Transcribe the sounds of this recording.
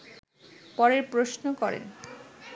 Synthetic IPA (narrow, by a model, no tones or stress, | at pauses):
pɔɾeɾpɾosnokɔɾḛn